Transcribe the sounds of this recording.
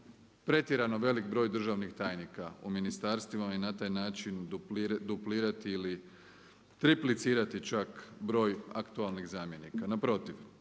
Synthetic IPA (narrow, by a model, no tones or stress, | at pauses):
pɾe̞t̪jeɾano̞ʋe̞likbɾo̞ːjd̪r̩ʒaʋnixt̪aːjnikauminist̪aːɾst̪ʋimajenat̪aːjnaːt͡ʃind̪upliːɾat̪iːli | t̪ɾiplit̪siːɾat̪it͡ʃakbɾo̞ːja̰kt̪ualˠniɣzaːmje̞nikanapɾo̞t̪iʋ